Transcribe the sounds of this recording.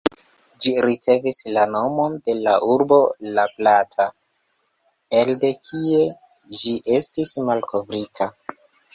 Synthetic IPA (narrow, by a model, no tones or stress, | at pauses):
d͡ʒiɾit͡se̞vislano̞mo̞nde̞laʔuɾbo̞laplatʰa | elde̞kʰie̞ | d͡ʒiʔe̞stismalko̞vɾitʰa